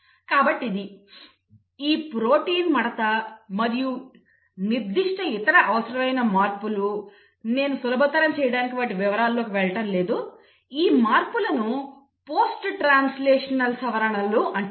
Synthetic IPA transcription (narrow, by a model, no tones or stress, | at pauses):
kaːbɐʈːid̪i | iːpɾo̞ːʈiːnmɐɽɐt̪ɐmɐɾiju | niɾd̪iʂʈʰɐit̪ɐɾɐʔɐʋɐsɐɾɐmɐjnɐmaːɾpulu | ne̞ːnusulɐbʱɐt̪ːɐɾɐmt͡ʃɛːjɐɽaːnikiʋaːʈːiʋiʋɐɾaːlːo̞ːkiʋɛɭɐʈɐmle̞ːd̪u | iːmaːɾpulɐnu | po̞ːsʈʈɾaːnsleːʂɐnɐlsɐʋɐɾɐɳɐluʔɐɳ